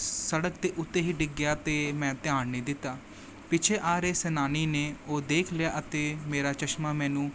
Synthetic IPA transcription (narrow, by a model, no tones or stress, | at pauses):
səɽək̚t̪eːʔʊt̪ːẽːɦiːɖɪɡjaːt̪eːmɛ̃ːt̪ɪaːɳnĩːd̪ɪt̪ːaː | pɪt͡ʃʰeːʔaːɾeːsɛːnaːniːneːoːd̪eːkʰlɪjaːʔət̪eːmeːɾaːt͡ʃəʃmaːmɛ̃ːnũː